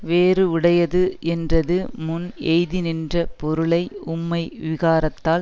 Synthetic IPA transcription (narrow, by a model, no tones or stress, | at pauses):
ʋeːrɯʊɽɐjɐðɯʔɛndrɐðɯmʊnɛɪðɪnɪndrɐpɔɾɯɭɐɪʊmːɐɪʋɪɣaːɾɐt̪ːaːl